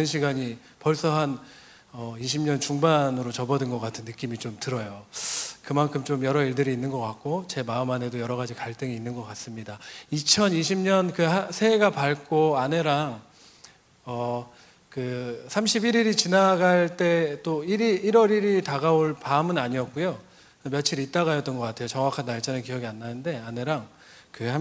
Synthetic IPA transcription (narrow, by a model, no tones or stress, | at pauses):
ɯnɕʰiɡaɲi | pʌɭs͈ʌɦan | ʌiɕʰimɲʌnt͡ɕuŋbanɯɾot͡ɕʌbʌdɯnɡʌk͈atʰɯnːɯk͈imit͡ɕomtɯɾʌjokɯmaŋkʰɯmt͡ɕomjʌɾʌiɭdɯɾiːnːɯnɡʌk͈ak̚k͈ot͡ɕe̞maɯmɦane̞dojʌɾʌɣad͡ʑikaɭt͈ɯŋiinːɯnɡʌk͈as͈ɯmɲidait͡ɕʰʌniɕʰimɲʌnkɯasʰeɡapaɭk͈oane̞ɾaŋ | ʌ | kɯsʰamɕʰibiɾiɾit͡ɕinaɡaɭt͈e̞t͈oiɾiːɾwʌɾiɾitaɡaoɭpamɯnaɲiʌk̚k͈ujo | mjʌt͡ɕʰiɾit͈aɣajʌt͈ʌnɡʌk͈atʰe̞jot͡ɕʌŋwakʰanːaɭt͡ɕʰanɯnkijʌɡianːanɯnde̞ane̞ɾaŋ | kɯha